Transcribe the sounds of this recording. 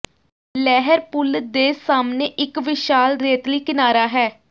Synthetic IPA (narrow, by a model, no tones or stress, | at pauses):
lɛːɦəɾpʊld̪eːsaːmneːʔɪkʋɪʃaːlɾeːt̪liːkɪnaːɾaːɦɛː